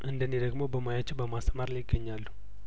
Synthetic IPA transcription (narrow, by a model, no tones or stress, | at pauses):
ʔɨnd̪ənːid̪əɡmo̞bəmajat͡ʃːɛwbəmasəmaɾlajɡːəɲːalːu